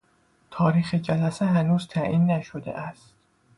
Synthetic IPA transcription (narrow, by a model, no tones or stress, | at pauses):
t̪ʰɒːɾiːxed͡ʒælæseɦænuːzt̪ʰæʔiːnːæʃod̪ḛʔæstt̪̚